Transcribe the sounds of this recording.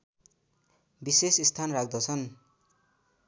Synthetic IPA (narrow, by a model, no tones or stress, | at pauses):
bisesist̪ʰanrak̚d̪ʌt͡sʰʌn